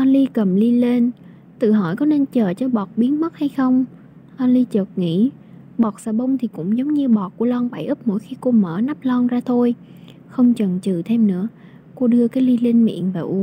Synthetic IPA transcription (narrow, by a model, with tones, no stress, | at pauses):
ʔa˧nli˧kə˨˩mli˧le˧n | t̪ɨ̰˧˨ɦɔ̰˧˩jkɔ˨˦ne˧nt͡ɕəː˨˩t͡ɕɔ˧ɓɔ˨˩t̚ɓi˨˦ənmə˦˥t̚ha˧jxə˧wŋ͡m | ʔa˧nli˧t͡ɕəː˨˩t̚ŋḭ˧˥ | ɓɔ˨˩t̚saː˧˩ɓə˧wŋ͡mt̪ʰi˨˩kʊ̰˧˥ŋ͡mzə˨˦wŋ͡mɲɨ˧ɓɔ˨˩t̚ku˧˩əlɔ˧nɓa˧˩jʔɨ˦˥p̚mo̰˧˥˨jxi˧ko˧məː˧˩na˦˥p̚lɔ˧nzaː˧t̪ʰo˧j | xə˧wŋ͡mt͡ɕə˨˩nt͡ɕɨ̰˧˨t̪ʰe˧mnɨ̰˧˥ə | ko˧ɗɨ˧əkaː˨˦jli˧li˧ŋmḭ˧˨ənvaː˨˩ʔu˧˦